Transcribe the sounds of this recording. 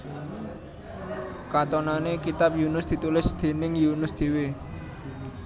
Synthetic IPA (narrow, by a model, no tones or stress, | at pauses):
kat̪onanekit̪ap̚junʊsd̪̥i̤t̪ulɪsd̪̥e̤nɪŋjunʊsd̪̥e̤we